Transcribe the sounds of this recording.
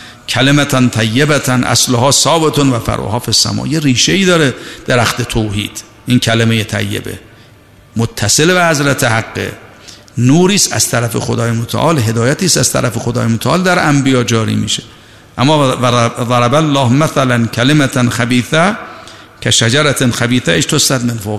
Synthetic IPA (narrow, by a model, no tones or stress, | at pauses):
kʲʰælemæt̪ʰænt̪ʰæjːebæt̪ʰænʔæ̰sloɦɒːsɒːbet̪ʰonvæfæ̰ɾʔo̰ɦɒːfisːæ̰mɒ̰ːjeɾiːʃeiːd̪ɒːɾed̪̥eɾæxt̪et̪ʰoːhḭːd̪̥ | ʔiːnkʰæleme̞jet̪ʰæ̰jːḛbḛ | mot̪ʰːæselbehazɾæt̪ʰehaɡːḛ | nuːɾiːsæ̰z̥t̪ʰæɾæfḛxod̪ɒːjemot̪ʰæ̰ʔɒːlɦe̞d̪ɒːjæt̪ʰiːsæz̥t̪ʰæ̰ɾæfexod̪ɒ̰ːjemot̪ʰæɒ̰ːld̪æɾʔæmbijɒːd͡ʒɒːɾḭːmḭːʃe | ʔæmːɒːðˤɑɾabalːɒːhmaθælænkʰælemæt̪ʰnxæbiːθæ | kʰæʃæd͡ʒæɾæt̪ʰnxæbiːθæʔeʃt̪ʰosæt̪menfoɣ